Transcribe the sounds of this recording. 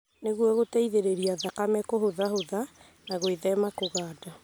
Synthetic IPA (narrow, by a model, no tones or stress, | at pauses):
neɣwɔɣotaiðeɾeɾiaðakamɛkoɦoðahoða | naɣoeðɛmakoɣaːda